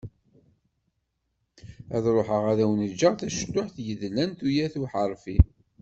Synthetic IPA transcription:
æðɾoħəʁæðæwənəd͡ʒːəʁθæʃd̪ːʊħθjəðlænt̪ujæθuħəɾˤfi

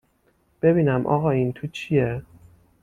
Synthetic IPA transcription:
b̥e̞biːnæmʔɒ̰ːɣɒːint̪ʰuːt͡ʃʰije

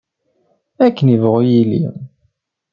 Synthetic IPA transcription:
ækːənivʁojilḭ

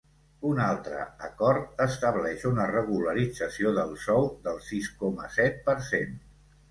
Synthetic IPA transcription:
unalˠt̪ɾə̰ə̰kɔɾt̪əst̪əβlɛʃunərəɣuləɾid͡zəsioðəlˠsɔwðəlˠsiskɔmə̰sɛt̪̚pəɾsen

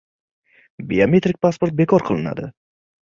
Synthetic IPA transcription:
biame̞t̪ɾik̚ʲpʰaspoɾt̪̚bekʰɒɾqʰɨlˠɪna̰d̪ɪ

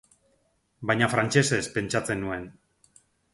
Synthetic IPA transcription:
bajɲafɾant͡ʃe̞se̞spe̞nt͡ʃat͡se̞nue̞n

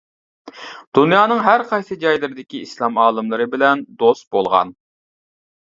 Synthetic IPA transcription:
d̪̥unjɑːnɨŋɦæɾqʰɑjsɨd͡ʒɑjlˠɨɾɪd̪ɪkʲiislˠɑmɑːlˠɨmlˠɨɾɨbɪlɛnd̪ost̪̚bolˠʁɑ̰n

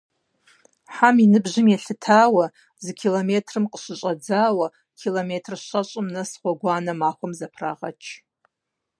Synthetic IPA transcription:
ħaminɨbʒɨmjaɬɨtʰaːwa | zkʲʰilometʰrɨmqʼəʂʷɨt͡ʃʷʼad͡zaːwa | kʲʰilometʰrʃʷat͡ʃʷʼɨmnasχʷaɡʷanamaχʷʊmzapʰra̰ʁa̰t͡ʃʰ

